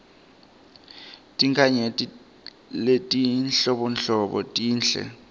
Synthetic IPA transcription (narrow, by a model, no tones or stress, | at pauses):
tʼiŋkʰʼaɲetʼi | letʼinɬɔɓɔnɬɔɓɔ̰tʼiːnɬɛ̰